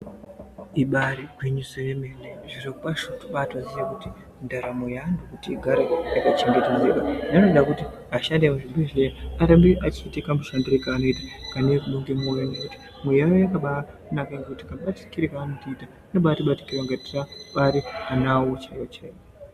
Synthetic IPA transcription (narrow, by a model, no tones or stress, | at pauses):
iɓaɾiɡʱwiɲusejemeneʐirokupaʃotu̥ɓatazijekuti | ndaɾamujandokutiːɡʱaɾejakat͡ʃeŋɡetezeɓananoɗakuti | aʃandemuʐibeʐeaɾembeʔat͡ʃiitekamuʂandorekaːno̞itḁkanekuɓoŋɡemojanekuti̥ | mwejajojakaɓa | unakaŋɡekuti̥kaɓati̥kiɾekaːnotiiːta | noɓaːtiɓati̥kiraŋɡati̥raɓaɾianaot͡ʃawat͡ʃeːa